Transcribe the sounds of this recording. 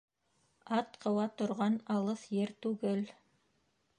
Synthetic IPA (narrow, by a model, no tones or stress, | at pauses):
ɑt̪qɤ̆wɑt̪ŏɾʁɑnɑlˠɤθjɘɾt̪ʉɡɘl